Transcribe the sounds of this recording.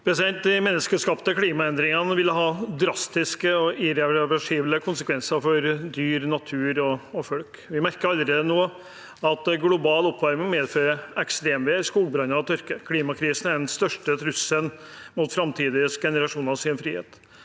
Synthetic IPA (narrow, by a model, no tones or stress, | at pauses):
pʰɾɛsɪd̪ɛnt̪̚d̪ɪmɛnːəskəʂkɑːpt̪əkʰliːmɑɛnd̪ɾɪŋɑnəʋɪlːəɦɑːd̪ɾɑst̪ɪskəɔɪɾɛʋɑʂiːbləkʰʊnsəkʰʋɛnsəɾfɔɾd̪yːɾnɑt̪ʰʉːɾɔɔfɔlk | ʋɪmæɾkəɾɑld̪ɾɪːd̪ənoː | ɑt̪ɡlʊbɑːlɔpːʋɑɾmɪŋɔmeːd̪føːɾəɛkst̪ɾeːmʋeːskuːɡbɾɑnːəɑʋt̪ʰœɾkəkʰliːmɑkʰɾiːsn̩æɖɛnst̪œʂʈət̪ʰɾʉsːənmʊt̪fɾɑmt̪ʰiːd̪ɪsɡɛnəɾɑʂuːnɑsɪnfɾiːhḛːt̪